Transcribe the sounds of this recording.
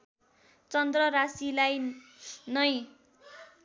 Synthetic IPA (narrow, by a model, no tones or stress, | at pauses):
t͡sʌnd̪rʌɾasilaj | nʌj